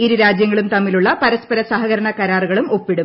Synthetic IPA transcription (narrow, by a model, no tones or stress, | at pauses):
iɾuɾaːd͡ʑjɐŋːɐɭumt̪ɐmːiluɭːɐpɐɾɐspɐɾɐsaɦɐɣɐɾɐɳɐkɐɾaːruɣɐɭumo̞pːiɽum